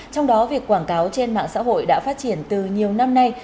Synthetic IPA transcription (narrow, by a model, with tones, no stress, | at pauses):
t͡ɕɔ˧wŋ͡mɗɔ˨˦vi˨˩əkːwaː˧˩ŋkaː˨˦wt͡ɕe˧nma̰ː˧˨ŋsa̰ː˧˥ɦo̰˧˨jɗa̰ː˧˥faː˦˥t̚t͡ɕi˧˩ənt̪ɨ˨˩ɲi˨˩əwna˧mna˧j